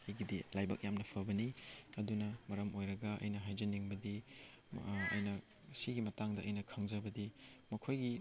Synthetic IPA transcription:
ɐjɡidilajbɐ̰k̚jamnɐpʰɐbɐniɐdunɐmɐɾɐmojɾɐɡɐʔɐ̰jnɐɦajd͡ʒɐniŋbɐdi | ɐ̰jnɐ | siɡimɐtaŋdɐʔːjnɐkʰɐŋd͡ʒɐbɐdimɐkʰojɡi

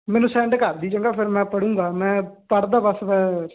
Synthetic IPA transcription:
mɛ̃ːnũːsɛ̃ːɳɖkəɾd̪iːt͡ʃəŋɡaːpʰɪɾmɛ̃ːpəɽũːŋɡaːmɛ̃ːpəɽd̪aːbəsʋə

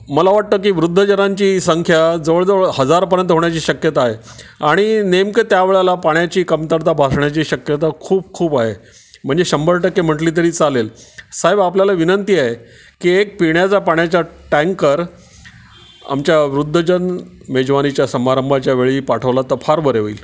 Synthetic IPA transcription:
məlaʋaʈ̚t̪əːk̬iːʋɾud̪ʱːəd͡ʑənaɲt͡ɕiːsəŋkʰjad͡zəʋəɭd͡zəʋəɭhəd͡zaɾpəɾjənt̪ɦoɳjat͡ɕiːɕəkjət̪aːɦeaɽ̃inemket̪jaʋeɭalapaɳjat͡ɕiːkəmt̪əɾt̪abʱaʂɳjat͡ɕiːɕəkjət̪akʰuːb̚kʰuːpaɦe | m̤əɳd͡zeɕəmbəɾʈəkːem̤əʈliːt̪̬əɾiːt͡salelsaɦebapljalaʋinənt̪iaɦe | kiːek̚piɳjat͡sapaɳjat͡ɕaʈɛ̃ŋkəɾ | a̰mt͡ɕjaʋɾud̪ʱːəd͡ʑən | med͡ʑʋanit͡ɕjasəmaɾəmbʱat͡ɕjaʋeɭiːpaʈʰəʋlat̪əɾfʰaɾbəɾeʋḭːl

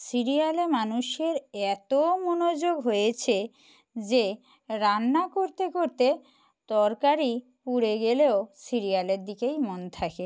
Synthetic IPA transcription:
siɾialemanuʃeɾɛt̪omonod͡ʑoɡɦojet͡ɕʰe | d͡ʑe | ɾanːakoɾt̪ekoɾt̪e | t̪ɔɾkaɾi | puɽeɡeleosiɾialeɾd̪ikejmont̪ʰake

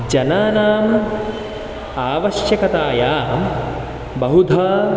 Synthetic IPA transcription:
d͡ʒɐnaːnaːm | aːʋɐʃjɐkɐt̪aːjaːm | bɐɦud̪ʱaː

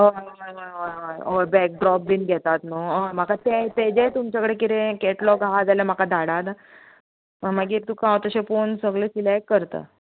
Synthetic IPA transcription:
ɦojɦojɦojɦojɦojojbɛk̚ɖɾɔp̚biːnɡʱɛt̪at̪noojm̤akat̪et̪ed͡ʑet̪umt͡ɕakəɽekit̪ẽkeʈlɔɡaad͡zalam̤akad̪ʱaɽat̪a | əmaɡiːɾt̪ũkãwt̪əɕefonsəɡlesilɛkːəɾt̪ə̰

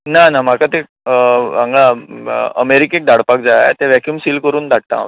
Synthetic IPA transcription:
nanam̤akat̪e | aŋɡɭaəmeɾikek̚d̪ʱaɽpak̚d͡zaja̰t̪eʋɛkjumsiːlkəɾuːnd̪ʱaɽ̚t̪ã̰

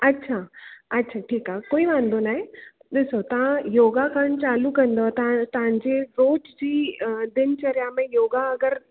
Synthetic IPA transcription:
ɐtːɕʰaɐtːɕʰaʈʰiːkaːɦekoːiʋãːn̆d̪onaːɦe | ɗɪsot̪ɐʋ̤ãjoːɡakʰəɽ̃t͡ɕaːlukɐ̃nd̪ot̪ɐãt̪ɐʋ̤ãɲd͡ʑeɾoːd͡ʑd͡ʑiːd̪ɪnt͡ɕɐɾjamẽjoːɡaɐɡəɾ

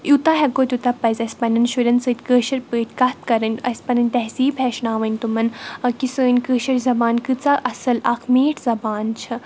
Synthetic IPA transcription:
jut̪aɦɐkoːt̪ʲut̪apɐzɐsʲpɐnɐnʃuɾʲɐnsɨːt̪ʲkəːʃɐɾpəːt̪ʲkɐt̪̚kɐɾɐnʲɐsʲpɐnɐnʲt̪ɐɦziːbɦɛʃnaːʋɐnʲt̪umɐnkisəːnʲkəːʃɐɾzɐbaːnkɨt͡saʔɐsɐlɐkʰmeːʈʰzɐbaːnt͡ʃʰɐ

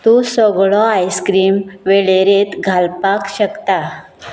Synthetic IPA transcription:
t̪ũsɔɡɭɔajskɾiːmʋeɭeɾet̪ɡʱalpakɕəkt̪a

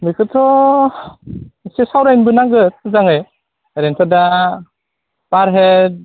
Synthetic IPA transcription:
mikʰɯtʰɔ | sesawɾajnbɯnaɡɯt̚zaŋɯj | aɾentʰɔda | paɾɦe

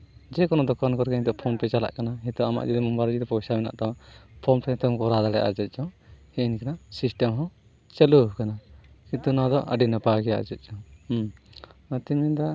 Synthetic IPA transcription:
d͡ʒɛkɔnɔd̪ɔkankɔɾkɛid̪ɔʔpʰɔnpɛt͡ʃala̰ʔkanaɦit̪ɔama̰ʔd͡ʒid̪ɛmumbaɾd͡ʒid̪ɔpɔsamɛna̰ʔt̪awaʔpʰɔnpʰɛt̪ɔmkɔɾad̪aɽɛ̰ʔa̰d͡ʒɛt̪̚ˀt͡ʃɔhɛinikanasisʈɛmɦɔ̃ | t͡ʃəluɦkanakĩnt̪unad̪ɔ̰ʔə̰ɖinəpaɡɛjaʔd͡ʒɛt̪̚t͡ʃɔh | t̪imid̪a

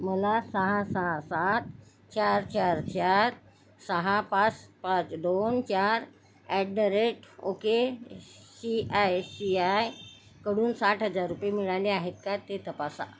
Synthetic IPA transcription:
məlasəɦasəɦasat̪ | t͡ɕaɾt͡ɕaɾt͡ɕaɾ | səɦapat͡spat͡sd̪ont͡ɕaɾ | ɛʈ̚ɖəɾeʈo̰ke | siajsiaj | kəɽuːnsaʈɦəd͡zaɾːupjemiɭaleaɦet̪̚kat̪ːet̪əpasa̰

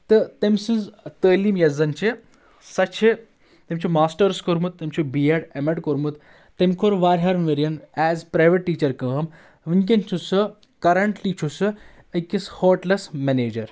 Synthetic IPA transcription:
t̪ɨt̪emsɨnzt̪əːlimjɐzɐnt͡ʃe | sɐt͡ʃʰe | t̪emt͡ʃimaːsʈɐɾskoɾmut̪ːemt͡ʃʰubijɐʈemeʈkoɾmut̪ | t̪ːemkʰoɾʋaːɾɦɐɾnʋeɾjɐnɛːzpɾaːjʋeʈːiːt͡ʃɐɾkəɦm | ʋiɲkʲent͡ʃʰusɨ | kɐɾɐɳʈlit͡ʃʰusɨ | ɐkishoːɾʈlɐsmɛneːd͡ʒɐɾ

